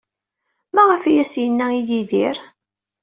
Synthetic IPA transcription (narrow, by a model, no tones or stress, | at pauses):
mæʁəfijæsjənːæijiðiɾ